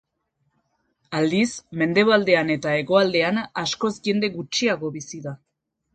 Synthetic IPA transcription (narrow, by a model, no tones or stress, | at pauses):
ald̪isme̞nd̪e̞β̞ald̪e̞ane̞t̪ae̞ɣo̞ald̪e̞anasko̞zʝe̞nd̪e̞ɣut͡ʃiaɣo̞βisiða